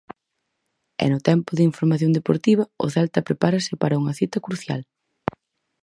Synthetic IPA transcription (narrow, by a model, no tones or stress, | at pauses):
ɛ̰nʊt̪ɛmpʊðɪiɱfoɾmaθjonŋd̪epoɾt̪iβɐʊ̰θɛlt̪ɐpɾepaɾɐsɪpaɾɐuŋɐθit̪ɐkɾuθja̰l